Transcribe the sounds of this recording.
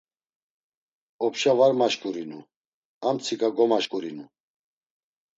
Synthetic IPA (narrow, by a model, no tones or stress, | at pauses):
ɔpʃavaɾmaʃkʼuɾinu | amt͡sʰikaɡɔmaʃkʼuɾinu